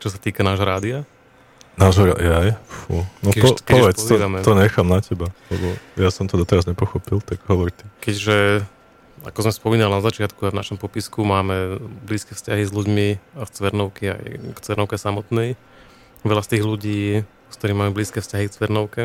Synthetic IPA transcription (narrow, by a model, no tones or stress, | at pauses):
t͡ʃɔs̬at̪iːkanaːʒɦɔɾaːd̪ia | naːʒɦɔɾa̰d̪iajfṵnɔkpɔpɔʋɛt͡s̪ɔd̪amɛt̪ɔɲɛxaːmnacɛbalɛ̰bɔjasɔmt̪ɔd̪ɔt̪ɛɾazɲɛpɔxɔpilt̪aɡɦɔʋɔɾt̪ikɛɟʒɛ | a̰kɔzmɛspɔmiːnalinazat͡ʃɪat̪kuavna̰ʃɔmpɔpiskumaːmɛbliːskɛfscaɦizluɟmiaft͡sʋɛɾnɔʊkia̰jkt͡sʋɛɾnɔʊkɛsamɔt̪nɛj | ʋɛlast̪iːɣluɟiː | skt̪ɔɾiːmaːmɛbliːskɛfscaɦikt͡sʋɛɾnɔʊkɛ